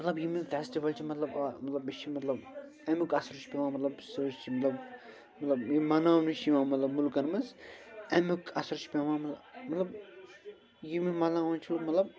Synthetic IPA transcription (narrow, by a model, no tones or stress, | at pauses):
mɐt̪lɐbjiminfesʈiʋɐlt͡ʃʰimɐt̪lɐbamɐt̪lɐbit͡ʃʰimɐt̪lɐb | ɛmɨkɐsɐɾt͡ʃʰi̥pʲeʋãːmɐt̪lɐbsət͡ʃt͡ʃʰimɐt̪lɐb | mɐt̪lɐbimɐnaniʃimãmɐt̪lɐbmulkɐnmɐzɛmɨkɐsɐɾt͡ʃʰi̥pʲeʋãmɐtmɐt̪lɐb | jimimɐnãwãnt͡ʃʰumɐt̪lɐb̚